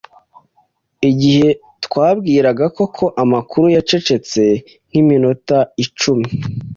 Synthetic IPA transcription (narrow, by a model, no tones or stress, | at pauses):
iɟihe̞ | tkwaːβɡiːɾaɡako̞kʰo̞ʔamakuɾujat͡ʃe̞t͡ʃe̞t͡se̞ | ŋ̥iminotait͡ʃumi